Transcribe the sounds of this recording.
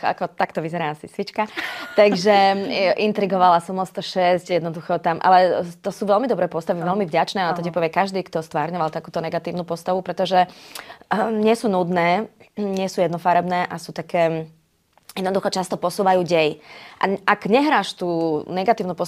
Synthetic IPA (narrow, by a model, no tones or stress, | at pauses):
a̰kɔt̪akt̪ɔʋizɛɾaːasḭsʋit͡ʃkat̪aɡʒɛʔint̪ɾiɡɔʋalasɔmɔst̪ɔʃɛscjɛd̪nɔd̪uxɔt̪amʔa̰lɛt̪ɔsuːʋɛlmid̪ɔbɾɛːpɔst̪aʋiʋɛlmivɟat͡ʃnɛːat̪ɔcipɔʋɪɛkaʒd̪iːkt̪ɔst̪ʋaːɾɲɔʋalˠt̪akuːt̪ɔnɛɡat̪iːʊnuːpɔst̪aʋupɾɛt̪ɔʒɛ | ɲɪɛsuːnud̪nɛːɲɪɛsuːjɛd̪nɔfaɾɛbnɛːʔasuːt̪akɛː | jɛd̪nɔd̪uxɔt͡ʃast̪ɔpɔsuːʋajuːɟɛjʔa̰ʔaɡɲɛɦɾaːʃt̪uːnɛɡat̪iːʊnuːpɔ